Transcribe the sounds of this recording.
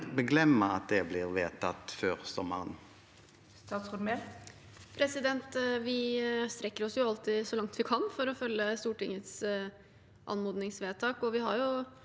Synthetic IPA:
bəɡlɛmːəɑt̪̚d̪ɛblɪʁʋeːt̪ʰɑt̪føːʁsɔmə̰ʁən | st̪ɑːt̪sʁʊnme | pʰɾɛsɪd̪ɛnt̪ʋɪst̪ɾɛkːəɾɔsjʊɑlt̪ɪsɔlɑŋt̪ʋɪkʰɑnfɔɾɔfœlːəst̪uːʈɪŋːət̪s | ʔɑ̰nmuːd̪nɪŋsʋeːt̪ʰɑːkɔʋɪhɑɾjʊ

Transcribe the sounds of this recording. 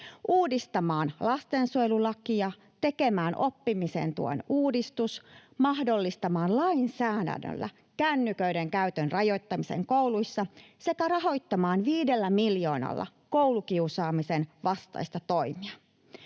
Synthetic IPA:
ʔuːdist̪ɑmɑːnlɑst̪ensuelulɑkijɑ | t̪e̞ke̞mæːnʔo̞pːimise̞̰nt̪ṵo̰nuːdist̪usmɑhdo̞lːist̪ɑmɑːnlɑinsæːdæ̰ndø̰lːæ̰ | kænːykøydeŋkæyt̪ønrɑjo̞jt̪ːɑmisḛŋkoulujsːɑse̞kærɑɦo̞jt̪ːɑmɑːnʋiːdelːæmiljo̞ːnɑ̰lːɑ̰ | kowlukiusɑːmisenʋɑst̪ɑ̰jst̪ɑt̪o̞imiɑ

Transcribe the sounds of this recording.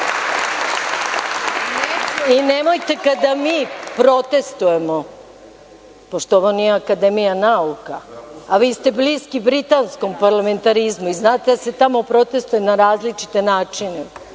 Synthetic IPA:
inemojt̪e̞kad̪amiːpɾo̞t̪e̞st̪uje̞mo | po̞ʂt̪ooʋonijeakad̪e̞mijanaukaaʋiːst̪e̞bliːskibɾit̪ansko̞mpaɾlˠame̞nt̪aɾizmuiznaːt̪ed̪ase̞t̪amo̞pɾo̞t̪e̞st̪ujenaɾaːzlit͡ʂi̥t̪e̞naːt͡ʂine

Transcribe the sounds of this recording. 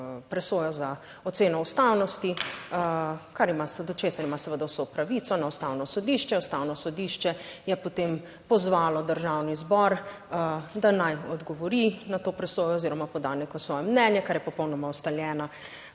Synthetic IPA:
pɾɛsoːjɔza | ɔt̪seːnɔust̪awnɔst̪i | kaɾimasəd̪ɔt͡ʃeːsaɾimasɛʋəd̪awsɔpɾaʋit̪sɔnaust̪awnɔsɔd̪iʃt͡ʃɛust̪awnɔsɔd̪iːʃt͡ʃɛjɛpot̪em | pɔzʋaːlɔd̪əɾʒawnizbɔɾ | d̪anajɔd̪ɡɔʋɔɾinat̪oːpɾɛsoːjɔːziɾɔmapɔd̪anekɔsʋɔjɛmnɛnjɛkaɾjɛpɔpɔwnɔmaɔst̪aljɛːna

